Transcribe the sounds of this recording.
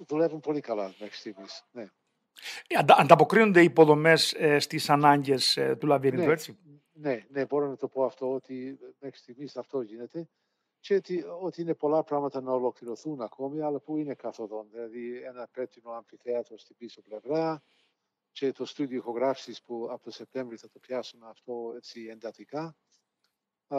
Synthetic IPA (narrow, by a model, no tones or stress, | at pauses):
ðulɛvunpolikɐlamɛxsi̥t̪imisne | nd̪and̪apokɾiund̪ɛipoðomɛsst̪isanaɲɟɛst̪ulavjɛninɛɾsi | neneboɾonɐt̪opoaft̪oːt̪imɛxsi̥t̪imisɐft̪oʝinɛt̪e | t͡ʃet̪iot̪iinepo̞lɐpɾaɣmɐt̪ɐnɐolo̞kliɾoθunɐkomiɐlɐpuinekɐθoðonðilɐðienɐpet̪inoɐɱfiθeɐt̪ost̪ibisoplevɾaɐ | cet̪ost̪ud̪iixoɣɾafsispuɐpot̪osep̚t̪eɱvɾiθɐt̪opjasumeɐft̪o̞et͡siend̪ɐt̪ika